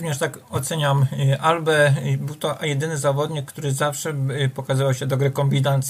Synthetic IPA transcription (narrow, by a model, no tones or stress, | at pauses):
uvɲɛʂt̪akɔt̪sɛɲamʔalbɛbɘwt̪ɔʔjɛd̪ɘnɘzavɔd̪ɲikːt̪uɾɘzafʂɛpɔkazavawɕɛd̪ɔɡɾɛkɔmbʲid̪ant̪s